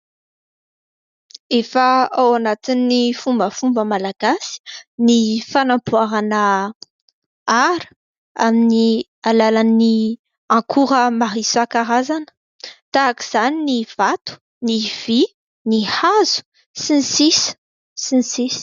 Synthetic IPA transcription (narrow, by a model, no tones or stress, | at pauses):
efəawanat̪inːifumbəfumbəmalaɡasi̥nifanampuaɾanə | aɾə̥ | amini | alalani | ɑ̃kʰuɾəmaɦisakaɾazanə̥ | t̪aːkiz̥aniniv̥at̪u̥ | niv̥i | nihazu̥ | sinisis | sinisis